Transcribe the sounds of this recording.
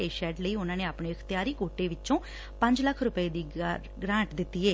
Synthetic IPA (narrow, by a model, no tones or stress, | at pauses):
eːʃɛːʈləiːʊnãːneːaːpɳeːəkʰt̪ɪjaːɾiːkoːʈeːʋɪt͡ʃõː | pəɲd͡ʒləkʰːɾʊpəeːd̪iː | ɡɾãːɳʈd̪ɪt̪ːiːɛː